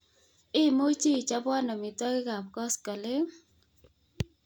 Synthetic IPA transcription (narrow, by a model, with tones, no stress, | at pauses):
ɪ˦˨mo˦t͡ʃi˦i˨t͡ʃa˦pwa˦nɔ˨mɪ˨tɔ˦kɪ˦ka˨p̚kɔ˦skɔ˨le˦